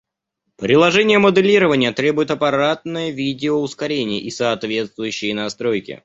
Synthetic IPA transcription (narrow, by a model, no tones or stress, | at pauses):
pɾʲɪlˠɐʐɛnʲɪjəməd̪ɨlʲiɾəvənʲɪjət̪ɾʲe̞bʊjɪt̪ɐpɐɾat̪̚nəjəvʲidʲɪoʊskɐɾʲenʲɪjə̰ʔisɐːt̪vʲe̞t̪st̪vʊjʉɕːɪjənɐst̪ɾo̞jkʲɪ̰